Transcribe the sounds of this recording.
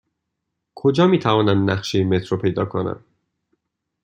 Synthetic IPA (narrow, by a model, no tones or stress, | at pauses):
kʰod͡ʒɒːmiːt̪ʰævɒːnænd̪næχʃemet̪ʰɾopʰe̞jd̪ɒ̰ːkʰonæ̰n